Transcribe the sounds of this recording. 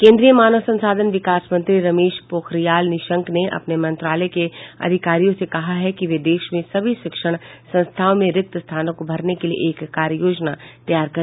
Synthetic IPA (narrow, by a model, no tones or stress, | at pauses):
kẽːnd̪ɾijəmaːnəʋsɐ̃nsaːd̪ʱənʋɪkaːsmɐ̃nt̪ɾiɾɐmeːʃpoːxɾijaːlnɪʃə̃ŋkneʔɐ̰pnemɐ̃nt̪ɾaːlɛkeɐ̰d̪ʱɪkaːɾijõsekɐɦaɦɛkiʋed̪eːʃmẽsɐbʱiʃɪkʃəɽ̃sɐ̃nst̪ʰaːʋmẽɾɪk̚t̪əst̪ʰaːnõkobʱɐɾnekeliḛʔeːkːaːɾjəjoːd͡ʒnat̪ɐjaːɾkɐɾ